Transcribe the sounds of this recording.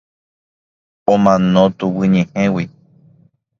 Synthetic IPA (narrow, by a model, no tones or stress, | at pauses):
õmãnõt̪uwɨɲẽhẽwi